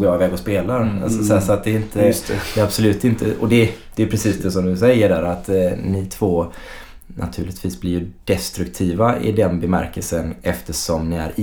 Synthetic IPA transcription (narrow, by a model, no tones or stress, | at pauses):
ɡɑɪvɛːɡɔspeːlaa̰lsɔsɛːsɔat̪̚d̪ɛɪnt̪ʰəd̪ɛabsɔlʉ̟ːt̪ɪnt̪ʰəɔd̪ɛd̪̥ɛjpʰɾɛsiːsd̪ɛs̬ɔmd̪ɵsɛjːəɖæːɾat̪nit̪ʰvoː | nʔa̰t̪ʰʉ̟ːlɪt̪ʰviːsblɪjɵd̥ɛst̪ɾɵkt̪ʰiːvaɪ̰d̪ɛnbɛmæ̰ɾkəlsənɛft̪əʂɔmnɪæ̰ɾ